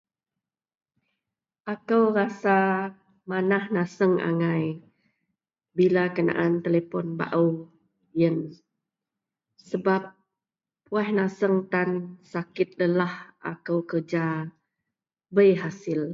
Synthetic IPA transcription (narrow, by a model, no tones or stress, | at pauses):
ʔakəwɾasa | manahnasəŋʔa̰ŋaj | bilakəna̰ʔant̪elepɔnba̰ʔəw | jən | səbap̚ː | uɛhnasəŋt̪ansakɪt̪̚ləlahʔa̰kəwkərd͡ʒa | bəjɦasɪl